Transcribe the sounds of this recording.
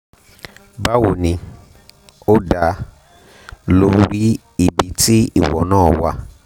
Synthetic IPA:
ba˦wo˧˨nĩ˧ | o˦da˧ | lo˧˦ɾi˦ | i˦˨bi˨˧ti˦ḭ˦˨wɔ̰˨nãː˦˨wa˧

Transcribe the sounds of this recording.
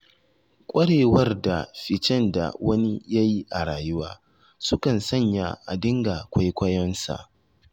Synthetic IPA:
kʷʼɐ˦ɽeː˨wɐ˦rda˨ɸɪ˨t͡ʃɛ˦nda̰˨wɐ˦ni˦ja˦ji˦ʔa˨ɽaː˨jʊ˦waː˦ | sʊ˦kɐ˨nsɐ˦˨ɲja̰˨ʔa˨dɪ˦ŋɡa˨kʷa˦jkʷɐ˦jɔ˦nsa̰˨ʔ

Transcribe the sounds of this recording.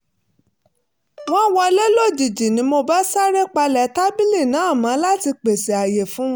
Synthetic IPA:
w̃ɔ̃˦wɔ˧lɛ˦lo˦˨d͡ʒi˨d͡ʒi˨nĩ˨˧˦mo˧ba˦sa˦ɾe˦k͡pa˧lɛ˨ta˦bi˦li˦˨nã˨˦˨mã˨˧˦la˦ti˧k͡pe˨se˨a˨je˨fũ˨˦w̃

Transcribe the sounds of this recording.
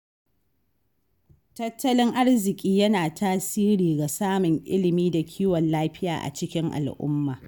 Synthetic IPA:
tɐ˦tʰːɐ˦lɪ˦ŋʔa˦ɽzɪ˨kʲʼiː˦jɐ˦naː˨tʰaː˦siː˦ɾiː˨ɡa˨saː˦mʊ˨ŋʔɪ̰˦lɪ˨miː˦da˨kʲʰiː˦wɔ˨nlaː˦ɸɪ˦ja̰ː˨ʔa̰˨t͡ʃɪ˦kʲɪ˦ŋʔa̰˨lʔʊ̰˦mːaː˨

